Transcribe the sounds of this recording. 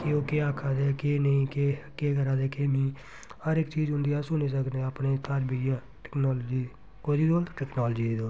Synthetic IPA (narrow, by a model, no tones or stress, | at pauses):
kɪoːkeːaːkʰːaːd̪eːkeːnəĩːkekeːɡəɾaːd̪eːkeːmĩː | həɾɪkt͡ʃiːd͡ʒʊ̃nd̪iaːsʊneːsəknẽːəpnẽːt̪ʰaɾbijaː | ʈɛ̥knɔːlːd͡ʒiː | koːd̪iːd̪oːlʈɛːknaːld͡ʒiːd̪iːd̪oː